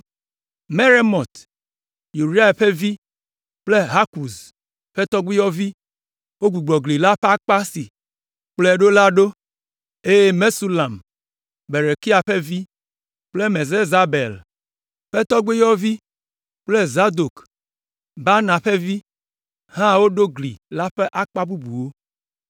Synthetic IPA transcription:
me˦ɾe˦mɔ̃˨t̪ | ju˨ɾi˦a˦˨ɸe˦vi˦ | k͡ple˦ɦa˦ku˨z | ɸe˦t̪ɔ˦ɡ͡be˦jɔ˦vi˦ | wo˦ɡu˨ɡ͡blɔ˨ɡli˨la˦ɸa˦k͡pa˦si˨ | k͡ple˦˨ɖo˦la˦ɖo˦ | e˦e˦me˦su˦la˨m | be˨ɾe˨ki˦a˨ɸe˦vi˦ | k͡ple˦me˨ze˦za˨be˨l | ɸe˦t̪ɔ˦ɡ͡be˦jɔ˦vi˦ | k͡ple˦za˦d̪o˨k | ba˦nã˨ɸe˦vi˦ | ɦã˦wo˦ɖo˦ɡlḭ˨la˦ɸe˦ʔa˦k͡pa˦bu˦bu˨wo˦

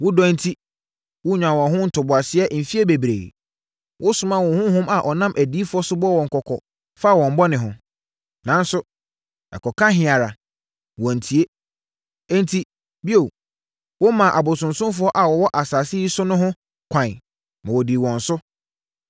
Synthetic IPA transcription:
wʊ˦dɔ̃˦n̩˦tʰi˦ | wʊ˦ɲᶣã˨wɔ̃˨ɦʊ̃˦n̩˨tʰʊ˨bʊ˨a˨sɪ˦ɛ˦ʔm̩˨fi˦e˦be˨bɾḛː˨ | wʔʊ˦sʊ̃˦mã˦wʊ̃˨hʊ̃˦hʊ̃˦ma˨ʔɔ˨nã˦mʔæ˨di˨˦fʊ˦ɔ˦sʊ˦bɔ˦wɔ̃˨ŋ̩˨kʰɔ˨kʰɔ˨ | fa˦˨wɔ̃˨m̩˨bɔ˦nɪ̃˨ɦʊ̃˨ | nã˨˦n˦sʊ˦ | ɛ̰˨kɔ˨kʰã˦ɦɪ̃˨a˨ɾa˨ | wɔ̃˨n̩˨tʰi˨e˦ | ɛ̃˦n˦tʰi˦ | bi˦o˨ | wɔ˦mã˨ʔa˨bʊ˨sʊ̃˨nsʊ̃˦mfʊ˦ɔ˦ʔa˨wɔ˨wɔ˦ʔa˨saː˨sɪ˦ji˦sʊ˦nʊ̃˦ɦʊ̃˦ | kʷʰã˨ | mã˨wɔ˨di˨wɔ̃˨n˨sʊ˦

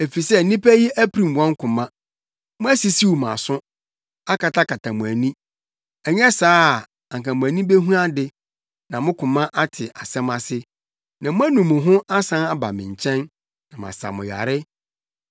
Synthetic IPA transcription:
e˨fi˨sɛ˦n̩˦nĩ˦pʰæ˦ji˦æ˦pʰɾĩ˨m˨wɔ̃˦ŋ˦kʰʊ̃˨mã˦ | mʊ̃˦æ˦si˨si˦wu˨mã̰˨sʊ̃˦ | a˦kʰa˨tʰa˦kʰa˨tʰa˨mʊ̃˨æ˨nĩ˦ | ɛ˨ɲɛ˦saː˦˨ | ã˨ŋkã˨mʊ̃˨æ˨nĩ˦be˦ɦũ˦a˦dɪ˦ | nã˨mʊ̃˦kʰʊ̃˨mã˦ʔa˦tʰɪ˨ʔa˨sɛ̃˦mã˦sɪ˦ | nã˨mʊ̃˦æ˦nũ˨mːʊ̃˨ɦʊ̃˦ʔa˦sã˦a˦ba̰˨mɪ̃˨ɲ̩˨t͡ɕʰɛ̃˦n | nã˨m˨ã̰˨sa̰˨mʊ̰̃˨ja̰˨ɾɪ˦

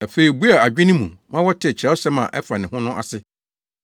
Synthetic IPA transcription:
a˨fe˨i˨bu˦a˨a˨d͡ʑᶣɪ̃˦nɪ̃˦mṵ̃˨mã˦wɔ˦tʰɪ˦ɛ˨t͡ɕʰɛ˦sɛ˦mã̰˨ʔɛ˦fa˨nɪ̃˨ɦʊ̃˦nʊ̃˦ʔa̰˨sɪ˦

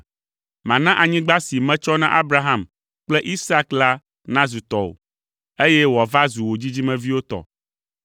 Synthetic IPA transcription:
mã˨nã˦ʔa˨ɲĩ˦ɡ͡ba˦si˨mɛ̃˦t͡ʃɔ˦nã˦ʔa˦bɾa˨ɦã˦m | k͡plɛ˦ʔi˦sa˦kla˦ | nã˦zu˨t̪ɔ˨o̰˨ | e˦jɛ˦wa˨va˦zu˨wo˨d͡ʑi˦d͡ʑi˦mɛ̃˨vi˦wo˦t̪ɔ̰˨

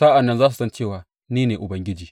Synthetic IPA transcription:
saː˦ʔa˨nːɐ˦nzaː˦su̥˨sɐ˦nt͡ʃeː˦˨waː˨ | niː˦neː˨ʔʊ˨bɐ˦ŋɡʲɪ˦d͡ʒiː˨

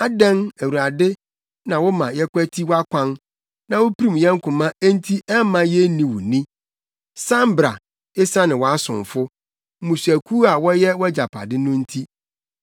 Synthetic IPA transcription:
a˦dɛ̃˦næ˨wu˨a˨dɪ˦ | nã˨wɔ˦mã˨jɛ˦kʷʰæ˦tʰi˦wɔ˦a˦kʷʰã˦n | nã˨wo˦pʰi˦ɾĩ˦˨m˨jɛ̃˦ŋ̩˦kʰʊ̃˨mã˦æ˦n˦tʰi˦ʔɛ˦mã˨jɛ˦nĩ˨wʊ̰˨nĩ˦ | sã˦m˦bɾa̰˨ | ɪ˦sa˦nɪ̃˨wɔ˨a˦sʊ̰̃˨ɱ˨fʊ˦ | mũ˨sæ˨kʰu˦a˨wɔ˦jɛ˦wd͡ʑa˨pʰa̰˨dɪ˦nʊ̃˦n̩˦tʰi˦

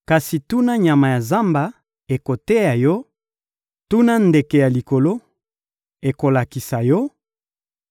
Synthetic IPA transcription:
ka˨si˨tu˦na˦ɲa˨ma˨ja˨za˦mba˦ | e˨ko˨te˦ja˨jɔ˦ | tu˦na˦nde˨ke˨ja˨li˨ko˨lo˦ | e˨ko˨la˨ki˨sa˨jɔ˦

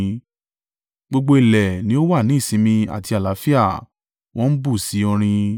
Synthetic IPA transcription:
ɡ͡bo˧ɡ͡bo˧i˨lɛ˨nĩ˦o˦wa˦˨nĩ˨˦˨sĩ˨˦mĩ˧a̰˨ti˧a˨la˨˦fi˦a˦˨ | wɔ̃˦n̩˦bu˦˨si˨˦ɔ˧ɾ̃ĩ˧

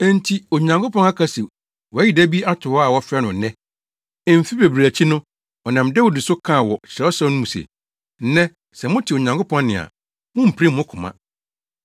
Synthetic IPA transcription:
ɛ̃˦n˦tʰi˦o˨ɲã˨ŋkʰʊ˦pɔ̃˦ŋa˦kʰa˨si˨ | wɔ˨æ˦ji˨dæ˦bi˦a˦tʰʊ˨ɔ˦a˨wɔ˦fɛ˦nʊ̃˨nɛ̃˦˨ | m̩˨fi˦be˨bɾæ˨t͡ɕʰi˦nʊ̃˦ | ɔ˨nã˨mdɛ˦wo˨dɪ˨sʊ˦kʰã˦˨wɔ˨ɕʰɪ˨ɾɛ˦ɔ˦sa˦nʊ̃˦mũ˨sḛ˨ | n̩˦nɛ̃˦ | sɛ˨mʊ̃˦tʰɪ˨o˨ɲã˨ŋkʰʊ˦pʰɔ̃˦n˦nɪ̃˨a̰˨ | mʊ̃˦m̩˨pʰi˦mʊ̃˦kʰʊ̃˨mã̰˨

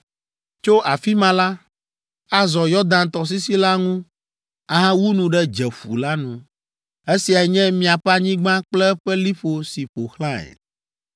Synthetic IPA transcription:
t͡ʃo˦ʔa˨fi˦mã˨la˦ | a˦zɔ˨jɔ˦d̪ã˨nt̪ɔ˨s̬i˦si˦la˦ŋũ˦ | a˨ɦã˦wu˦nũ˨ɖɛ˦d͡ʒɛ˨ɸṵ˨la˦nũ˨ | e˦si˨a˨ɛ˨ɲɛ̃˦mĩ˨a˨ɸa˦ɲĩ˦ɡ͡bã˦k͡plɛ˦ɸɛ˦li˦ɸo˨si˨ɸo˨xlã˦ɛ̰˨

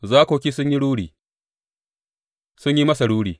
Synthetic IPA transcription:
zaː˦koː˨kʲiː˦sʊ˦ɲji˦ɽuː˦ɽiː˨ | sʊ˦ɲji˦mɐ˦sa˨ɽuː˦ɽiː˨

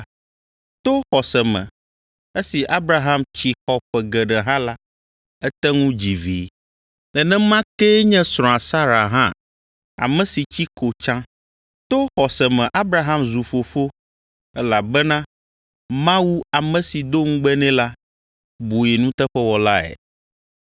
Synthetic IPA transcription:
t̪o˦xɔ˨sɛ˨mɛ̰̃˨ | e˦si˨ʔa˦bɾa˨ɦa˦mt͡ɕi˨xɔ˨ɸɛ˨ɡɛ˨ɖɛ˨ɦã˦la˦ | ɛ˦t̪ɛ˦ŋũ˦d͡ʑi˨vḭː˨˦ | lɛ˨nɛ̃˦mã˦ke˦ɲɛ̃˦sɾ̃ɔ̃˨a˨sa˦ɾa˨ɦã̰˦ | a̰˨mɛ̃˨si˨t͡ɕi˦ko˨t͡ʃã˦ | t̪o˦xɔ˨sɛ˨mɛ̃˨ʔa˦bɾa˨ɦã˦mzu˨fo˨fo˦ | ɛ˦la˨bɛ˦nã˦ | mã˦wu˦a˨mɛ̃˨si˨d̪o˦ŋ̩̃˦ɡ͡bɛ˦nɛ̃˦la˦ | bu˨jɛ˨nũ˦t̪ɛ˦ɸɛ˦wɔ˨la˦ɛ̰˨

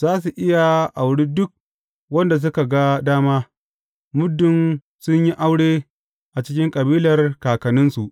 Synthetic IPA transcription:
zaː˦s̬u˨ʔɪ˦ja˨ʔa˨wɽiː˦dʊ˦k̚ | wɐ˦nda˨s̬ʊ˦ka˨ɡa˦daː˦maː˦ | mʊ˦dːʊ˨n | sʊ˦ɲji˦ʔa˦wɽeː˦ | ʔa˨t͡ʃɪ˦kʲɪ˦ŋkʼɐ˨biː˦lɐ˨rkaː˨kɐ˨nʊ˦nsu˨ʔ

